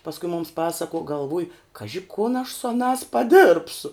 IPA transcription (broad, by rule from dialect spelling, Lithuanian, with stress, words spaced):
pɐsˈkʊ mʊms ˈpɑːsɐkuɔ ɡɐlˠˈʋʊj ˈkɑːʒʲɪ kʊn ɐʃ sʊ ɐˈnɑːs pɐˈdɘrpsʊ